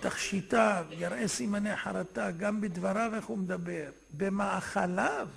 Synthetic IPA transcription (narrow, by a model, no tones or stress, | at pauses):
t̪aχʃit̪avjaɾʔesimaneaħaɾat̪aɡambed̪vaɾaveχhumed̪abeʁ | bemaʕaχalav